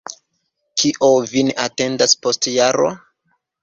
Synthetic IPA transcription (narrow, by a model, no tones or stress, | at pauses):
kʰiʔovineʔate̞ndaspo̞stjaɾo̰